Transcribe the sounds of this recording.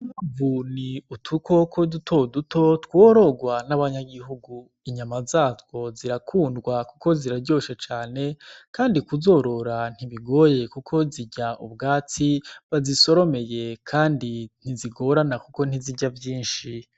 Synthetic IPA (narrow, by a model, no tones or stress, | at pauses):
mavuniutʰuko̞kʰo̞dutʰo̞dutʰo̞twoɾo̞ɡwanaβaɲaɡiɦuɡu | iɲamazaːzwo̞ziɾakʰuːndɡwakuko̞ziɾaɾɟo̞ːʃet͡ʃaːne̞kaːndikuzo̞ɾo̞ɾan̥hiβiɡo̞je̞kukʰo̞ziɟaʔṵbɡaːt͡siβaziso̞ɾo̞me̞je̞kʰaːndin̥iziɡo̞ɾanakuko̞n̥iziɟavjiːnʃi